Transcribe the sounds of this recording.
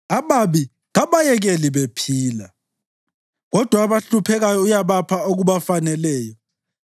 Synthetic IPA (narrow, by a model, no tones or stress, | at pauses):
aβaβi | ɣaβajɛɣɛliβepʰiːla | ɣɔd̥ʱwaːβaɬupʰɛɣajɔujaβapʰaoɣuβafanɛlɛːjɔ